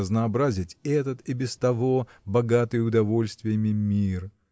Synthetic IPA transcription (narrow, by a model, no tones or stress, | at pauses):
əznɐːbɾazʲɪtʲɛt̪ət̪ibʲɪst̪ɐvo̞bɐɡat̪ɨjʊd̪ɐvo̞lʲst̪vʲɪjəmʲɪmʲir